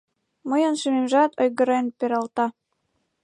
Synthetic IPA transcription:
mɤjɤ̆nʃememʒɑt̪ʰɤjɣɤ̆ɾɑjənpeɾɑlt̪ɑ

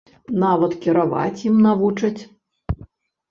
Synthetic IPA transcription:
navɐt̪kʲiɾava̰t͡sʲjimnavut͡ʂɐt͡sʲ

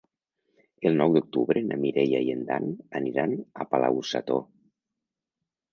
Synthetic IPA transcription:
elˠnɔwd̪uk̚t̪uβɾenʔamiɾejajend̪a̰naniɾanapala̰wusa̰t̪o

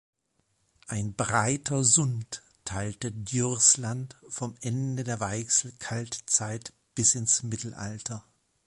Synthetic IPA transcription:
ʔaɪnbʁaɪtʰɐzʊntʰː | aɪltədjʏʁslantfɔmʔɛndədeːɐvaɪksl̩kʰaltt͡saɪt | b̥ɪsɪnsmɪtl̩ʔa̰ltʰɐ

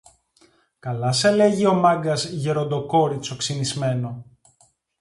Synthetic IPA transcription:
kɐlɐsele̞ʝio̞mɐŋɡɐzʝe̞ɾo̞nd̪o̞ko̞ɾit͡so̞ksinizme̞no̞

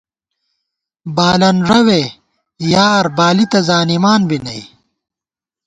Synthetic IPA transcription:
baːlɐnʐɐwe | jaːɾbaːlit̪ɐzaːnimaːnbinɐ̰i

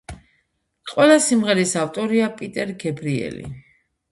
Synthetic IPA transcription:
qʼwɛlˠasimʁɛɾisaft̪ʼɔɾiapʼit̪ʼɛɾɡɛbɾiɛ̰lḭ

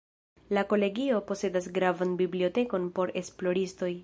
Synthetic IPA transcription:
lako̞le̞ɡio̞po̞se̞das̬ɡɾavanbiblio̞te̞ko̞npo̞ɾe̞splo̞ɾisto̞j

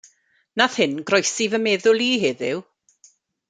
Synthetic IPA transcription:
naθhɪnɡrɔjsivəmeːðʊlˠiːɦeðɪw

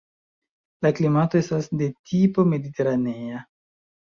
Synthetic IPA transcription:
laklimato̞e̞stasde̞tipo̞me̞dite̞ɾanea

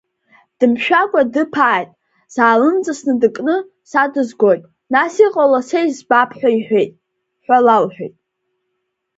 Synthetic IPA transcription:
d̥ɨmʃᶣakʷʼadɨpʰaːjtʼ | z̥aːlɨnt͡sʼasnɨdɨkʼnɨ | sadɨzɡʷojtʼ | nasiqʼalasejzbapʰħʷᶣaiħʷᶣe̞jtʼ | ħʷᶣalalħʷᶣejtʼ

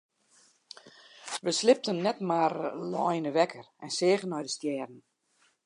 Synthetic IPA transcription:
ʋəslɪp̚tənːɛtmarlɔ̰jnəʋɛkʰərɛnsɪːɣənɔjdəstjɛːrn̩

